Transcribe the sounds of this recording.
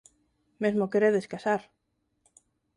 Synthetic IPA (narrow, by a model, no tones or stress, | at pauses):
mezmokeɾeðeskasaɾ